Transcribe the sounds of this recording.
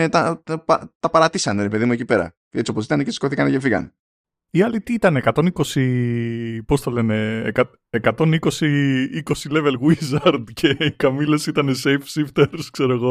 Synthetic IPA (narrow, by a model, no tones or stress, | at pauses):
et̪ɐpɐt̪ɐpɐɾɐt̪isɐne̞ɾe̞pe̞ðimue̞cipe̞ɾɐ̰ | et͡sio̞posit̪ɐnecesi̥ko̞θikɐnecefiɣɐ̰ne | iɐlit̪iːt̪ɐneːkɐt̪o̞niko̞si | po̞st̪ɐlene̞ːkɐ | ekɐt̪o̞niko̞siiko̞sile̞velɣizɐɾd̪cʰe̞kɐmilesit̪ɐne̞se̞jfsift̪eɾskse̞ɾoeɣo̞